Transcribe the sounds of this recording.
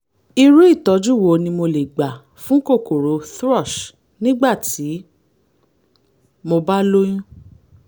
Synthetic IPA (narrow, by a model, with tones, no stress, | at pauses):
i˧ɾu˦i˦˨tɔ˨˦d͡ʒu˦˨wo˨˧nĩ˧mo˧le˨ɡ͡ba˨ | fũ˨˦ko˦˨ko˨ɾo˨˦θɾɔ˦˨ʃ | nĩ˦ɡ͡ba˦˨ti˨˦ | mo˧ba˦lo˦j̃ũ˦